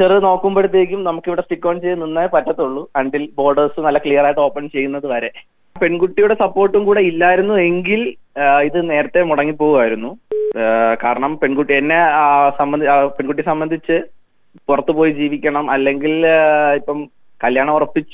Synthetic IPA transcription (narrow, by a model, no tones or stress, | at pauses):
t͡ɕerðɨno̞ːkːumpeɽut̪ːieik̬ʲːumnɐmukːiʋiɽesʈikːoːnt͡ɕejːunːinːaːjpɐtːɐt̪ːuɭːuɐɳɖilbo̞ːɖɐrsɨnɐlːɐkɭijɐraːjʈːɨo̞ːpːɐnt͡ɕe̞jːunːɐðɨʋɐɾe̞ | pe̞nɡuʈːijuɽe̞sɐpːo̞ːrʈːumkuːɽe̞ilːaːjiɾunːue̞ŋɡiliðɨne̞ːɾɐt̪ːemuɽɐŋːipːo̞ːɣuaːjiɾunːu | kaːɾɐɳɐmpe̞nɡuʈːienːe̞sɐmbɐd̪peɳɡuʈ̬ːisɐmbɐnd̪ʱit͡ɕːɨ | purɐt̪ːɨpo̞ːjid͡ʑiːʋikʲːɐɳɐmɐlːe̞ŋɡilipːɐm | kɐljaːɳɐmurɐpːit͡ɕːu̥